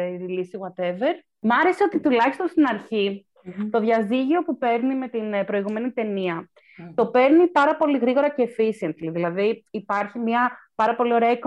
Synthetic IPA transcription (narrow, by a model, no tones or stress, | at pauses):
iilisiɣwɐt̪eve̞ɾ | mɐɾe̞se̞o̞t̪it̪ulɐçist̪onst̪inɐɾçi | t̪o̞ðʝɐziʝio̞pupe̞ɾnime̞t̪inpɾo̞iɣume̞nit̪e̞niɐ | t̪o̞pe̞ɾnipɐɾɐpo̞liɣɾiɣo̞ɾɐceːfisiɐnt̪liðilɐðiipɐɾçimɲɐpɐɾɐpo̞lio̞ɾeɐik